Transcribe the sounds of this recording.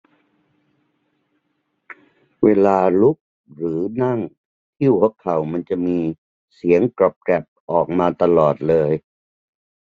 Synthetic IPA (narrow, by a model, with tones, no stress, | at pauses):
weː˧laː˧lu˦˥k̚ | ɾɯː˩˦na˥˩ŋ | t̪ʰi˥˩˨whʰɔ˦˥kʰːa˨˩wma˧nt͡ɕa˨˩ʔmiː˧ | si˩˦əŋkɾo˨˩p̚kɾɛ˨˩p̚ʔɔː˨˩k̚maː˧t̪a˧lɔː˨˩t̪̚lɤː˧j